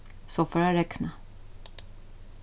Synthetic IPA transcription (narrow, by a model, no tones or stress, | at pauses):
sɔfoːɾjaɾɛkna